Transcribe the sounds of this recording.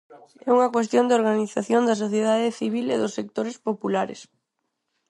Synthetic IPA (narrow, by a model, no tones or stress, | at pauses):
ɛuŋɐkwest̪jond̪oɾɣaniθaθjond̪ɐs̬oθjeðaðeθiβ̞ileðʊsːek̚t̪oɾɪspopulaɾɪ̰s